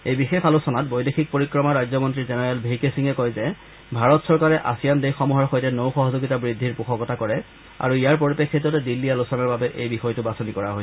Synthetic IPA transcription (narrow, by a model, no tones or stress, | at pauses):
ejbixexalusɔnat̚bojdexik̚poɹikɹɔmaɹajzɔmɔntɹizɛnɛɹɛlbʱejkesiŋɛkɔjzɛ | bʱaɹɔtsɔɹkaɹɛʔa̰sijandejxɔmuɦɔɹxojtɛnowxɔɦɔzoɡitabɹidʱːiɹpuxʰɔkɔtakɔɹɛ | a̰ɹuijaɹpoɹipekʰːetːɔtɛdilːialusɔnaɹbabɛʔejbixɔjtʊbasɔnikɔɹaɦojsɛ